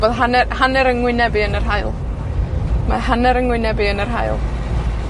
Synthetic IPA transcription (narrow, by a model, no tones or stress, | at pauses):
boːðɦanɛhanɛɾəŋwɪnɛbiənərɦaɨlˠ | ma̰ɦanɛɾəŋwɪnɛbiənərɦajlˠ